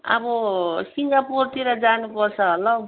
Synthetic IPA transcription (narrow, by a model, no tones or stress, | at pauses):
ʌ̰bʌsiŋɡapurt̪iɾʌd͡zanupʌrt͡sʰʌɦʌlʌ